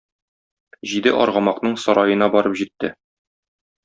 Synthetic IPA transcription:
ʑid̪ɘʔɒ̰ɾʁɑmɑqnɤɴsɒɾɑjɤ̆nɑbɒɾɤpʑit̪ːɘ

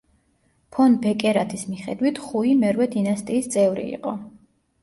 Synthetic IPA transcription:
pʰɔnbɛkʼɛɾat̪ʰismiχɛ̰d̪wit̪ʰχuimɛɾwɛd̪inast̪ʼiːst̪sʼɛvɾḭḭqʼɔ

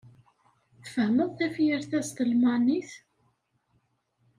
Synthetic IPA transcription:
θfəhməðˤθæfjəɾθæst̪əlmɑniθ

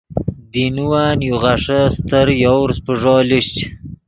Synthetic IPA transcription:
d̪inuwaːnjuʁaʂəst̪əɾjawɾspəʐɑːliʂt͡ʃ

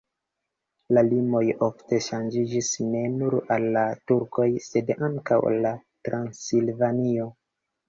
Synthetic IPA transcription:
lalimo̞jofte̞ʃand͡ʒid͡ʒisne̞nuɾalːatuɾko̞jse̞daŋka̰wlatɾansilvanio̞

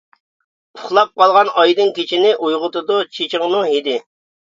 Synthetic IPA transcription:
ʊχlˠɑp̚qʰɑlˠʁɑnɑjd̪ɨnkʲet͡ʃʰinɪʔujʁʊt̪ʊd̪ut͡ʃʰet͡ʃɪŋnuɦid̪ɪ

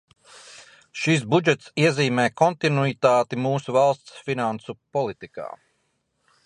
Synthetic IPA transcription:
ʃis̬bud͡ʒɛt̪siɛziːmɛːkɔnt̪inuit̪aːt̪imuːsuvalˠst̪sfinansupɔlˠit̪ika̰ː

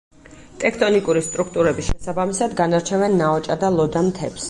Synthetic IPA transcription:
t̪ʼɛk̚ʰt̪ʼɔnikʼuɾist̪ʼɾukʰt̪ʼuɾɛbiʃɛsabamisad̪ɡanaɾt͡ʃʰɛvɛnːaɔt͡ʃʼad̪alˠɔd̪amt̪ʰɛps

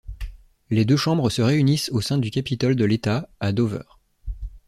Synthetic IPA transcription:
led̪øʃɑ̃bʁəsəʁeynisosɛ̃d̪ykʲapit̪ɔld̪əlet̪aad̪ovœ̰ːʁ

